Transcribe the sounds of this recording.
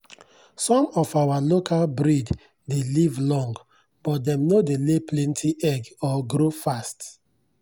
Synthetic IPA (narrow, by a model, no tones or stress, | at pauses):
sɔ̃mɔfawalokʰalbɾid | delivlɔ̃ŋɡ | b̥ɔt̚dɛ̃mnodeleplɛ̃ntʰiʔɛɡɔɡɾofast